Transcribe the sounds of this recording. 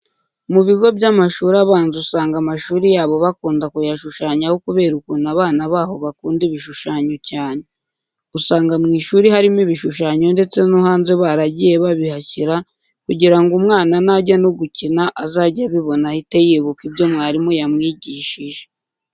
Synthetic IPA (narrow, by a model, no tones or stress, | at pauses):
muβiɡo̞bɟamaʃuːɾaβaːnzusaːŋɡamaʃuːɾijaːβo̞βakuːndakujaʃuʃaːɲahokuβe̞ːɾukunaβaːnaβaːho̞βakuːndiβiʃuʃaːɲo̞caːne | usaːŋɡamŋiːʃuːɾihaɾimiβiʃuʃaːɲo̞nde̞t͡se̞nuhaːnzeβaɾaɟije̞βaβihaciɾa | kuɟiɾaŋɡumŋaːnanaɟanoɡucinaʔazaɟaβiβo̞nahitejiβukibjo̞mŋaːɾimojamŋiːɟiːʃiʒe